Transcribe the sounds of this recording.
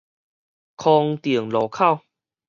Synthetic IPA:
kʰɔː˧ŋt̪i˨˩əŋlɔː˨˦kʰa˥˩˨w

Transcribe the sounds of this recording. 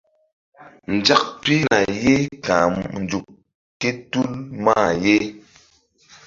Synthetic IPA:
n̩˨d͡ʒa˦k̚pi˦na˨je˦kã˨n̩˨d͡ʒu˨k̚ | ke˦tu˦lma˦˨je˦

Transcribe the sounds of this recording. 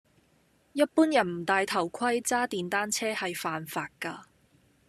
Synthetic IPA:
jɐ˥t̚puː˥njɐ˨˩nm̩˨˩t̪aː˨jt̪ʰɐ˨˩wkʰɐ˥jt͡saː˥t̪iː˨nt̪aː˥nt͡sʰɛː˥hɐ˨jfaː˨nfaː˨˧t̚kɐː˧

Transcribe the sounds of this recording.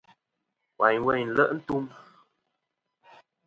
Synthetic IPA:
wa˨ɲwɛ˦˨ɲ˨n̩˨lə˦˨ʔn̩˦tu˦m

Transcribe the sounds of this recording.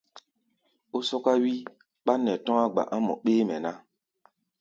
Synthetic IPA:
o˦sɔ˦ka˦wi˦ | ɓa˦nɛ˨tɔ̃˦ŋa˦ɡ͡ba̰˨ʔã˦mɔ̰˨k͡peː˦mɛ˨na˦

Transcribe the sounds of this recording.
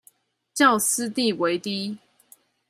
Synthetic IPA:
t͡ɕjɑ˥˨ʊsɹ̩˦t̪i˥˨we˧˦ɪt̪i˦˥

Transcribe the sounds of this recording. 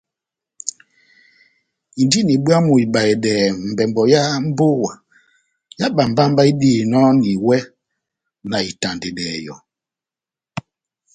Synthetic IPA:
i˨ndi˦ni˨ɓu˦a˦mu˨i˨ɓa˨e˨dɛː˨m̩˨bɛ˨mbɔ˨ja˦m̩˦bo˦wa˨ | ja˦ɓa˨m̩˨ba˦m˦ba˦i˦di˦˨nɔ˦ni˨wɛ˦ | na˨i˨ta˨nde˨dɛː˨jɔ̰˨

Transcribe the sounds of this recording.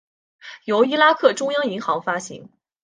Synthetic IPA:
jo˧˥ʊi˥la˥kʰɤ˥˩ʈ͡ʂʊ˥ŋjɑ˥ŋi˧˥ŋxɑ˧˥ŋfa˥ɕḭ˧˥ŋ

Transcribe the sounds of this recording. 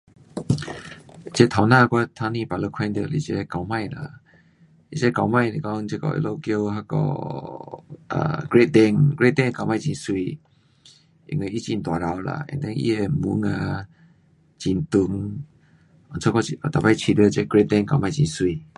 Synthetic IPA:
t͡ɕɛ˧˦t̪ʰa˨nã˥˧˨kwa˧t̪ʰã˧nĩ˧˨pa˨lə˧kʰɛ̃˧nd̪ə˧˨lḭ˧˨t͡ɕɛ˧ka˨wmã˥˧jla̰˧˨ | ʔḭ˦˨t͡ʃɛ˧˦ka˨wmã˥˧˨jle˨kɔ˧˦ŋt͡ɕɛ˧kɔ̰˧ʔḭ˧lo˧kjo˧ɦa˧˦kɔ̰˧˨ | ʔə̰˨ɡ̥ɹe˦t̚d̪ɛ˧˨ŋɡɹe˦t̚d̪ɛ˧ŋka˨wmã˧˨t͡ɕi˧˨nswi˧˨ | ḭ˨ŋe˧ʔi˦t͡ʃĩ˧nt̪a˨ɾa˨˧wla̰˧˨ɛ̰̃˨nd̪ɛ˧˦nʔḭ˧ɛ˨mu˧˦ŋa˧ | t͡ɕi˧˨nt̪u˧˨ŋ˧˨ | nt͡sʰo˧˦kɔ˧˨t̪a˨pa˧jt͡ɕʰi˧˨d̪ə˧˦˧t͡ɕɛ˧ɡɹe˦t̪̚d̪ɛ˧˨ŋka̰˨mã˧jt͡ɕḭ̃˧˨nswi˧˨

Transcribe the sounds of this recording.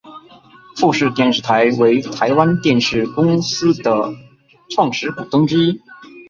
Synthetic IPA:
fu˥˧ʂɻ̩˥˧t̪jɛ˥˧nʂɻ̩˥˩t̪ʰa˧˥ɪwe˧˥ɪt̪ʰa˧˥ɪwa˥nt̪jɛ˥˧nʂɻ̩˥˩kʊ˥ŋsɹ̩˥d̪ə˨ | ʈ͡ʂʰwɑ˥˩ŋʂɻ̩˧˥ku˨˩t̪ɤ˥ŋʈ͡ʂɻ̩˥i˥

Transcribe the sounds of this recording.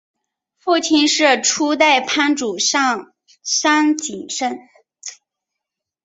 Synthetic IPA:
fu˥˩t͡ɕʰi˥nʂɻ̩˥˩ʈ͡ʂʰu˥t̪̬a˥˩ɪpʰa˥nʈ͡ʂu˨˩ʂɑ˥˩ŋ | sa˥nt͡ɕi˨˩nʂə˥n

